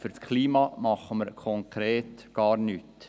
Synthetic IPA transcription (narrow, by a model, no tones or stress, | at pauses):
fyɾskʰliːmɑːmɑχːəməɾkʰɔŋkʰɾeːt̪ɡ̥ɑːɾnyːt